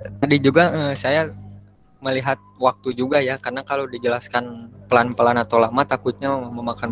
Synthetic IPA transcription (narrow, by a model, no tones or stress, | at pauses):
t̪adid͡ʒuɡaəsaja | məliɦat̪̚wak̚t̪ud͡ʒuɡajakarənakalodid͡ʒəlaskanpəlanpəlanat̪owlamat̪akʊt̪̚ɲaməmakan